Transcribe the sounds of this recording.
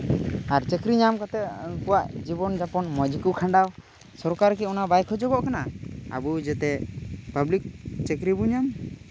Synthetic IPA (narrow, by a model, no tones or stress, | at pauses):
aɾt͡ʃekɾiɲamkɔt̪ɛŋkuwaʔd͡ʒibɔnd͡ʒapɔnmɔd͡ʒikukʰãɳɖaw | sɔɾkaɾkɛɔnabajkʰɔd͡ʒɔɡɔʔkanaa̰bud͡ʒɛt̪ɛpəblik̚t͡ʃekɾibuɲam